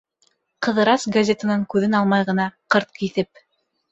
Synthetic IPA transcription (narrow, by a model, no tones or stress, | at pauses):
qɤ̆ðɤ̆ɾɑsɡɐzʲet̪anɤɴkʉðɘnɑlˠmɑjʁɤ̆nɑqɤɾt̪̚kiθɘp̚